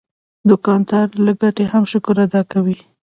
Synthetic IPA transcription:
d̪ʊkɑnt̪ɑɾlaɡaʈehamʃʊkʊɾad̪ɑkawi

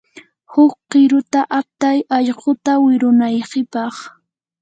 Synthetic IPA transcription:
hʊq̚qɪɾʊt̪aʔap̚t̪ajɑʎɢʊt̪awɪɾʊnajɢɪpɑχ

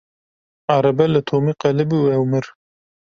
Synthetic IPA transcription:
ɑːɾɐbɛlɨt̪ʰoːmiqɐlɨbuɛwmɨɾ

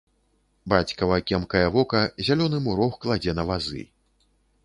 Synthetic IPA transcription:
bat͡sʲkɐvɐkʲɛmkɐjɐvɔkɐzʲalʲɔnɨmuɾɔxklˠad͡zʲɛnɐvazɨ̰

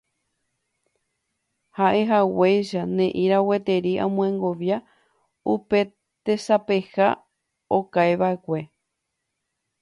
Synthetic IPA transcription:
haʔe̞ɦawejʃanẽ̞ʔĩɾawe̞t̪e̞ɾiʔã̰mũẽŋɡo̞ʋja | upe̞ | t̪e̞sape̞ha | okajβae̞kʷe̞

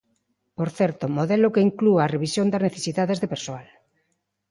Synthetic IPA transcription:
poɾθɛɾt̪omoðelokeiŋkluaːreβisjond̪azneθesiðað̞ezðepeɾsoal

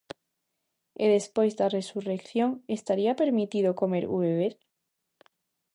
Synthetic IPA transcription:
eðe̞spwe̞jzd̪are̞surekθjo̞ŋe̞st̪aɾiape̞ɾmit̪iðoko̞me̞ɾṵβeβeɾ

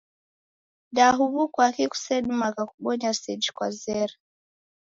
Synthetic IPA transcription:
daɦuβukwakiku̥sɛɗumakakuɓɔɲasɛd͡ʒikwazɛɾa

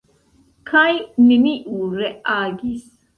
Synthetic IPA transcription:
kʰɐjnɪniʔuːɾɛaːɡiːs

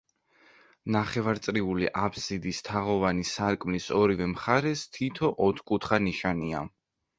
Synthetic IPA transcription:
naχɛvaɾt̪sʼɾiuliʔapʰsid̪ist̪ʰaʁɔvanisaɾkʼmlisɔɾivɛmχaɾɛst̪ʰit̪ʰɔʔɔt̪ʰkʼut̪ʰχaniʃania̰

